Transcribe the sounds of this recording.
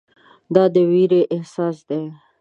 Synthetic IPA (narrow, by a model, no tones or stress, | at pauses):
d̪ɑd̪əwiɾeʔɪhsɑsd̪e